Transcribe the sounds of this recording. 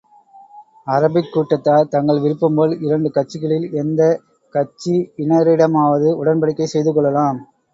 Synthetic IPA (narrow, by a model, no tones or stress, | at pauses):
ɐɾɐbɪkːuːʈːɐt̪ːaːt̪ɐŋɡɐɭʋɪɾɯpːɯmboːlɪɾɐɳɖɯkɐʈ̚t͡ʃːɪɣɐɭɪlɛnd̪ɐ | kɐt͡ʃːiɪnɐɾɪɽɐmaːʋɐðɯʊɽɐnpɐɽɪkːɐɪsɛjðɯkɔɭːɐlaːm